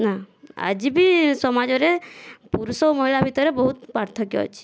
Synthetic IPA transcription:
naa̰d͡ʒibisɔmad͡ʒɔɾepuɾusɔmɔɦilabʱit̪ɔɾebɔɦut̪pɾaɾt̪ʰɔkjɔ̰ɔ̰t͡ʃʰi̥

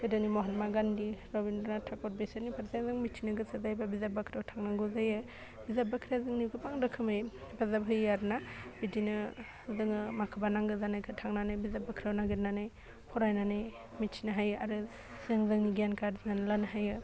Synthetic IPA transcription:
kɯdɯnimɔɦɔnmaɡandiɾɔbindɔnatʰakɔɾ̚besaɾnipʰaɾzazɯŋmit͡ʃʰinaɡɯsazajbabizapbakʰɾawtʰaŋnaŋɡuzajɯ | bizab̚akʰɾazɯŋnikʰɯpaŋdɯkʰɯmɯjbazabɦɯjːaɾnabidinɯ | zɯŋɯmakʰɯbanaŋɡɯzanajkʰɯtʰaŋnanɯjbizabakʰɾawnaɡɯɾnanɯj | pʰɔɾajnanɯj | mit͡ʃʰinaɦajɯaɾɯ | zɯŋzɯŋniɡjankaɾznanlanɯɦajɯ

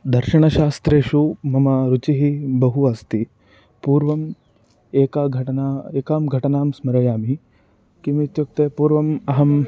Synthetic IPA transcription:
d̪ɐɾʃɐɳɐʃaːst̪ɾeːʃuːmɐmaɾut͡ʃiɦibɐɦuast̪iː | puːɾʋɐm | eːkaːɡʱɐʈɐnaːeːkaːmɡʱɐʈɐnaːmsmɐɾɐjaːmi | kimit̪juk̚t̪epuːɾʋɐmɐɦɐm

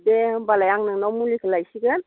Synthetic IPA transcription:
debalajaŋnɯŋnɔmulikʰalajsiɡən

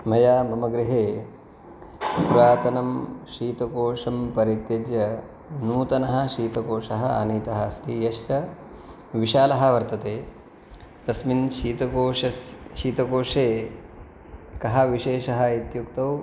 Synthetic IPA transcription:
mɐjaːbʱɐmɐɡɾiɦeː | pɾaːt̪ɐnɐmʃiːt̪ɐkoːʂɐmpɐɾit̪jɐd͡ʒ̪jɐ | nuːt̪ɐnɐɦɐ̆ʃiːt̪ɐkoːʂɐɦɐaːniːt̪ɐɦɐst̪ijɐʃt͡ʃɐ | ʋiʃaːlɐɦɐ̆ʋɐɾt̪ɐt̪eː | t̪ɐsminʃiːt̪ɐkoːɐʃiːt̪ɐkoːʂeː | kɐɦɐʋiʃeːʃɐɦɐ̆it̪jukt̪ɐw

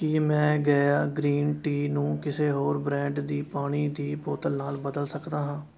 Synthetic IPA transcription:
kɪmɛ̃ːɡəjaːɡɾiːnʈiːnũːkɪseːɦoːɾbɾɛ̃ːɳɖd̪iːpaːɽ̃iːd̪iːpoːt̪əlnaːlbəd̪əlsəkd̪aːɦãː

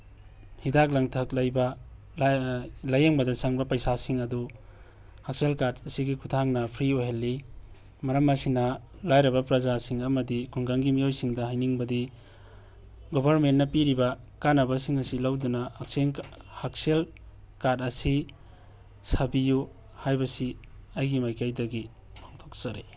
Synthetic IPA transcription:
hidak̚lɐŋtʰɐk̚lɐjbɐ | lɐjeŋbɐdɐsaŋbɐpɐjsasiŋɐdu | hak̚selkadɐsiɡikʰutʰaŋnɐpʰɾioɦelːi | mɐɾɐmːɐsinɐ | lajɾɐbɐpɾɐzasiŋɐmɐdikʰuŋɡaŋɡimijojsiŋdɐɦajniŋbɐdi | ɡobʱɐɾmentːɐpiɾibɐ | kanɐbɐsiŋɐsilawdunɐhak̚seŋhak̚sel | kadɐsi | sabiju | hajbɐsi | ɐjɡimajkajdɐɡi | pʰaŋtʰok̚sɐɾe

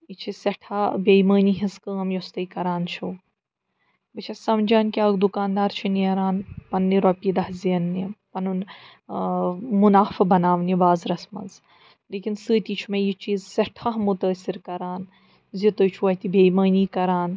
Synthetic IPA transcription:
it͡ʃʰisɐʈʰaːbejməːniɦiskəːmjost̪ɐjkɐɾaːnt͡ʃʰuː | bɨt͡ʃʰɐsɐmd͡ʒaːnkiaːɡd̪ukaːnd̪aːɾt͡ʃʰiniɐɾaːnpɐnːiɾɔpid̪ɐhziɐnːipɐnun | munaːfɐbɐnaːʋnibaːzɾɐsmɐ̰nz | leːkinsɨːt̪ʲit͡ʃʰumɐjit͡ʃiːzsɐʈʰaɦmut̪əːsiɾkɐɾaːn | zit̪ɐt͡ʃʰuʋɐht̪ibʱʲejməːniːkɐɾaːn

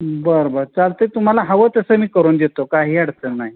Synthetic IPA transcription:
bəɾbəɾt͡salt̪ət̪um̤alaɦəʋət̪əsəmiːkəɾuːnd̪et̪okaɦiːaɽt̪ənaɦi

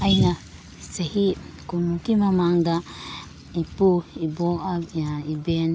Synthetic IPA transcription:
ajna | sehikunukimamaŋda | ipuiboʔabaiben

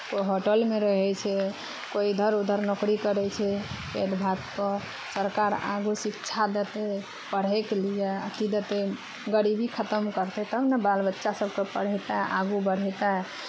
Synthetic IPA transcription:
koɦoʈəlmeɾəɦɛt͡ʃʰɛ | koid̪ʱəɾud̪ʱəɾnokɾikəɾɛt͡ʃʰɛ | ed̪bʱat̪pə | səɾkaɾa̰ɡusikt͡ʃʰad̪et̪e | pəɽ̤ɛklijeət̪id̪ət̪e | ɡəɾibikʰət̪əmkəɾt̪ɛt̪ːnəbalbətːʃasəbkepəɽ̤ɛt̪aʔa̰ɡubəɽ̤ɛt̪aɦ

